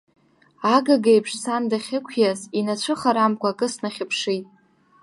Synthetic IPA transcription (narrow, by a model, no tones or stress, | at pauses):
aɡaɡejpʰʂsandaχʲɪkʷʰjazinat͡ɕʷʰɨχaɾamkʷʰʼaːkʼɨsnaχʲɪpʰʂijtʼ